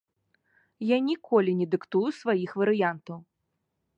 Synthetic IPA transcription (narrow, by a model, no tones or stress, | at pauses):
janʲikɔlʲinʲɛd̪ɨkt̪ujusvajixvɐɾɨjant̪ɐw